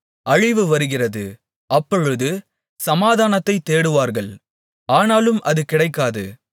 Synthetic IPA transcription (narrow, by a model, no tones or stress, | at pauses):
ɐɻɪʋɯʋɐɾɯɣɪrɐðɯ | ɐpːɔɻɯðɯ | sɐmaːðaːnɐt̪ːɐɪt̪ːeːɽɯʋaːɾɣɐɭ | aːnaːlɯmʔɐðɯkɪɽɐɪkːaːðɯ̰